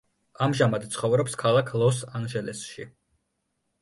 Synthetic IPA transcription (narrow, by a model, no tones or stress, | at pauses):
amʒamad̪t̪sʰχɔvɾɔpskʰalˠakʰlˠɔsanʒɛlɛsʃi